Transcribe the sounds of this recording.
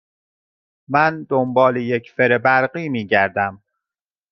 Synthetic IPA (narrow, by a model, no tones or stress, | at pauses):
mænd̪ombɒːlejecfeɾebæɾɢiːmiːɟæɾd̪æm